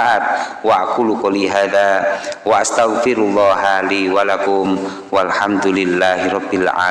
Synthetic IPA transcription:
ʔaːt̪̚waʔakʊlʊkaliɦaːðawaʔast̪aɣfɪɾulˤːɑːɦaliːwalakʊm | walħamd̪ʊlɪlːaːhiɾˤɑbːɪlʕa̰ː

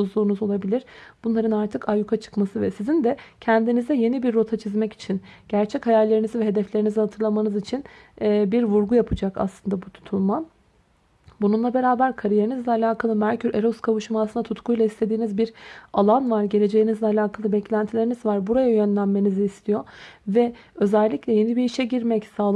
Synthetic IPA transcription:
uzlˠuːnuzo̞lˠabilʲiɾ̥b̥unlˠaɾɯnaɾt̪ʰɯkʰajukʰat͡ʃʰɯ̥kmasɯvɛsizind̪ɛcʰɛnd̪inizd̪ɛje̞nibiɾːo̞t̪ʰat͡ʃʰizmɛci̥t͡ʃʰinɟ̥æɾt͡ʃʰɛchajælʲe̞ɾinizivɛɦe̞d̪ɛflʲe̞ɾinizihat̪ʰɯɾlˠamanɯzit͡ʃʰinː | biɾvuɾɡujapʰɯd͡ʒaka̰slˠɯnd̪abut̪ʰu̥t̪ʰulˠma | bununlˠabe̞ɾaːbæɾkʰaɾije̞ɾinizlʲɛalʲaːkʰalˠɯmæɾcʰyɾeɾoskʰavuʃumasɯnd̪at̪ʰut̪kʰujlˠaist̪ʰe̞d̪iːnizbiɾalˠanvaɾɟe̞lʲe̞d͡ʒe̞jinizlʲɛalʲaːkʰalˠɯbɛclʲænt̪ʰilʲe̞ɾinizvaɾbuɾajajønlʲænme̞niziːst̪ʰijo̞vɛø̞zælʲːicʲlʲɛje̞nibiiʃɛɟiɾmɛcsaːlˠ

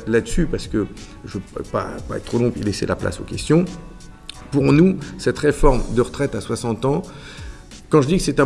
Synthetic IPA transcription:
lad̪əsypaʁsə̥kə | ʒəppa̰paɛt̪t̪ːχolɔ̃pḭlesḛla̰pla̰so̰kʲɛst̪jɔ̃ | puʁnusɛt̪ʁefɔʁmd̪əʁət̪χɛt̪aswasɑ̃t̪ɑ̃ | kɑ̃ʒəd̪ikə̥sɛt̪ɛ̃

